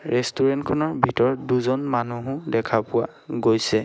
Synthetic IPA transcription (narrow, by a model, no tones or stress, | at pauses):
ɹɛstuɹɛntkʰɔnɔɹbʱitɔɹduzɔnmanuɦʊ̃dɛkʰapʊwa̰ | ɡojsɛ